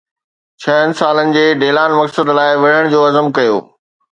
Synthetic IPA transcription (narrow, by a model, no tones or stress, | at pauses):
t͡ɕʰɐɦənɪ̆saːlənɪ̆d͡ʑeːɖeːlaːnmɐksəd̪laːɪʋɐɽ̤əɽ̃d͡ʑoːɐzəmkɐjo̰ː